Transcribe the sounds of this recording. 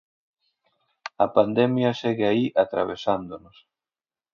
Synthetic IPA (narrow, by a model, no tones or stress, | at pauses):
ɐpand̪ɛmjɐsɛɣeaiʔat̪ɾa̰βesand̪onos